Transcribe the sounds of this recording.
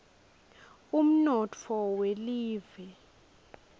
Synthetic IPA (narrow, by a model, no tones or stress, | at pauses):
um̩nɔt͡fʰɔweliːvɛ